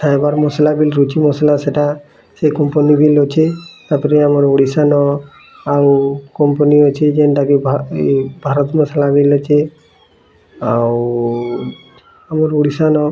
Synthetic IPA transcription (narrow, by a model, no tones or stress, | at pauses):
sajbaɾmɔsalabilɾut͡ʃimɔsalaseʈa | sekɔmponibilot͡ʃʰet̪aɾpɔɾeamɔɾoɽisanɔ | awkɔmpɔniot͡ʃʰed͡ʒenʈakebʱabʱaɾɔt̪mɔsalabilot͡ʃʰe | aw | amɔɾoɽisanɔ